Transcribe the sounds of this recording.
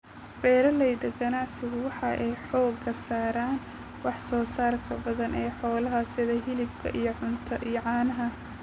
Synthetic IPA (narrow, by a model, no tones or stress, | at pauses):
b̥ɛːɾɐlɛjd̪ɐɡɐnɑʕsɪɣʊwɑħɑ̰ʔɛjħɔːɡɐsaːɾaːn | wɑħsɔːsaːrkʰɐbɐðɐnʔɛːħɔːlɐɦɐsɪðɐɦɪlɪb̚kʰɐ̰ʔijɞʕʊnt̪ʰɐʔijɞʕɑːnɐɦɐ